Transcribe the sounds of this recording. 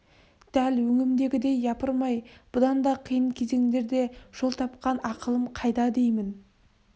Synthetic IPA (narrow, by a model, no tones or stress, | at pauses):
d̪̥ælwɵŋɪmd̪e̞ɡʲɪd̪e̞jːɑpəɾmɑjb̥ʊd̪ɑnd̪ɑqʰəjəɴkʲʰe̞ze̞ŋd̪e̞ɾd̪e̞ʒ̥o̞lˠt̪ʰɑp̚qɑnɑqəlˠəmqʰɑjd̪ɑd̪e̞jmɪn